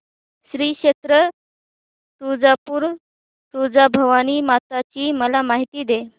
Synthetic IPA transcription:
ɕɾiːkɕet̪ɾə | t̪ud͡zapuːɾ | t̪ud͡zabʱəʋaniːmat̪at͡ɕiːməlamaɦit̪iːd̪e

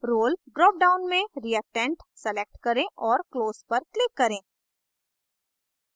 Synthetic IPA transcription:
ɾoːlɖɾɔːp̚ɖaːʊnmẽɾiəʈɛ̃ɳʈsɛlek̚ʈkɐɾẽʔɔːɾkloːzpɐɾklɪkːɐɾẽː

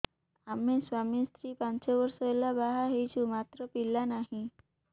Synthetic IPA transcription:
ameswamist̪ɾipant͡ʃɔbɔɾsɔelabaɦaɦejt͡ʃʰumat̪ɾɔpilːanaɦĩ

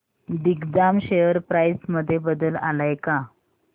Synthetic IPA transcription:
d̪iɡd̪amɕejəɾpɾajsməd̪ʱːjebəd̪əla̰lajka

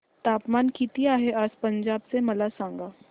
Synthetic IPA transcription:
t̪aːpmaːnkit̪iaːɦeʔaːspɐ̃ɲd͡ʒaːbsemɐlasãːŋɡaː

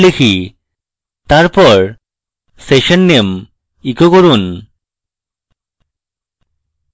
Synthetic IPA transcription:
lekʰi | t̪aɾpɔɾ | seʃɔnːem | ikokoɾun

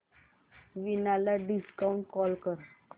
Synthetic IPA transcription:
ʋinalaɖiskauɳʈ̚kɔlkəɾ

